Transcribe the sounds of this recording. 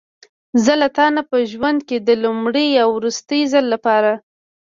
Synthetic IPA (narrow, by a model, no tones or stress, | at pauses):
zəlat̪ɑnapəʒwand̪̚ked̪əlumɽəjawɾust̪əjzalːapɑɾa